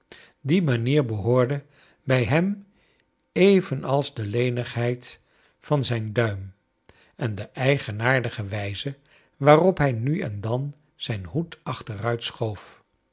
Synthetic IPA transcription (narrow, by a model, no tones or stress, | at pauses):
dimaniːɹbəɦʊːɹdə | bɛjɦɛm | ejvənʔɑlˠzdəlejnəχɦɛjt | fɑnzɛjndœɥm | ɛndəʔɛjχənaːɹdəχəʋɛjzə | ʋaːrɔpɦɛjnyɛ̰ndɑn | z̥ɛjnɦutɑχtərœɥtsχowf